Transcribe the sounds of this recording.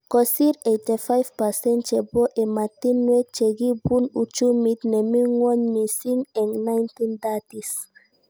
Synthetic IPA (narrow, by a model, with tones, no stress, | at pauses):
kɔsi˦ɾejt̪e˨fajvpasɛ̃˦ntt͡ʃe˨bo˦ʔe˨ma˨ti˦nːwe˦t͡ʃe˨ɡi˦bu˦nu˨t͡ʃu˦mi˦t̪ne˨mi˦ŋwɔ˦ɲmi˨si˦ŋɛ˨ŋna˦jnt̪i˦ndatis